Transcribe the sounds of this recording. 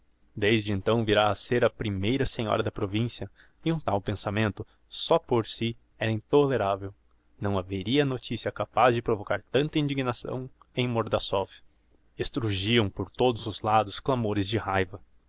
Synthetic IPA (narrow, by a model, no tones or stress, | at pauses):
d̪ejzd͡ʒɪẽnt̪ɐ̃w̃viɾaseɾɐpɾimejɾɐsẽɲɔ̰ɾɐd̪ɐpɾovĩsiɐ | ɪũt̪awpẽsamẽnt̪ʊ | sɔpoɾsi | ɛɾɐĩnt̪oleɾavew | nɐ̃w̃aveɾiɐnot͡ʃisiɐkapazd͡ʒɪpɾovokaɾt̪ɐ̃nt̪ɐĩnd͡ʒiɡnasɐ̰̃w̃ẽj̃moɾd̪asɔf | est̪ɾuʒiɐ̃w̃poɾt̪od̪ʊzʊzlad̪ʊsklamoɾɪzd͡ʒɪhajvɐ